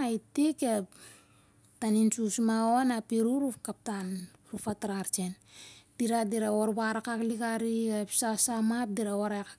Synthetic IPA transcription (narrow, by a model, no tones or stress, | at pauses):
aitike | tanint͡ʃusmaonapiɾuɾufkap̚tan | ɾufataɾaɾt͡ʃen | d̥iɾadiɾaoɾβaɾakakliɡaɾiapsasamap̚diɾaoɾaka